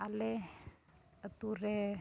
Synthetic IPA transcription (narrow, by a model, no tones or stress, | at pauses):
alɛ | ət̪uɾɛ